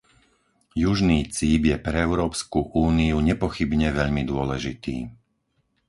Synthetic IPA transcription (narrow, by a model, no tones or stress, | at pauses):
juʒniːt͡siːbjɛpɾɛɛʊɾɔːpskuʔuːniuɲɛpɔxibɲɛʋɛʎmid̪ʊɔlɛʒit̪ḭː